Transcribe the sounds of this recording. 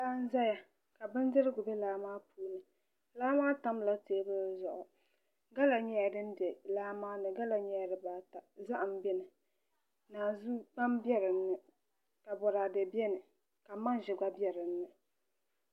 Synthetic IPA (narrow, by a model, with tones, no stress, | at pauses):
laː˦n̩˦za˦ja˨ | ka˨bɨ˦n˦dɪ˦ɾɨ˦ɡʊ˨bɛ˦laː˦maː˦pʰuː˦nɨ˨ | laː˦maː˦ta˦mla˦teː˦bɨ˦zʊ˨ʔʊ˨ | ɡa˦la˨ɲɛ˦ja˨dɨ˦n˦dɛ˨laː˦maː˦nɨ˨ɡa˦la˨ɲɛ˦ja˨ɾɨ˨baː˨ta˨za˦ʔm˦bɛ˦nɨ˨ | naː˨zu˦k͡pa˦m˦bɛ˦ɾɨ˨n̩ː˦ɨ˨ | ka˨bɔ˨ɾa˨dɨ˨bjɛ˦nɨ˨ | ka˨ma˦n˦ʒɪ˨ɡa˦bɛ˦ɾɨ˨n̩ːɨ˨